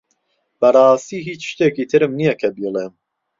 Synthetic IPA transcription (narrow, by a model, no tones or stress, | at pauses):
b̥ɐrˤɑːst̪iːɦiːt͡ʃʃt̪eːkiːt̪ʰɨɾɨmnijɛkʰɐbiːlˠeːm